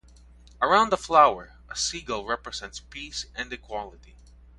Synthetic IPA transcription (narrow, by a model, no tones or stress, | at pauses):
ʔəɹãʊ̃nd̪əflawə˞ | əsiɡəl̩ˠɹɛpɹɨsɛ̃ntspisɛ̃ndɨkʰwɔlˠɪti